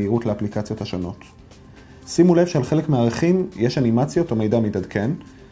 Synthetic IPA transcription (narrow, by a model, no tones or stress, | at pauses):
iʁutleaplikat͡sjo̞thaʃono̞t | simule̞vʃealχe̞lekmeaʁeχimjeʃanimat͡sjo̞tomejdamitadkʰe̞n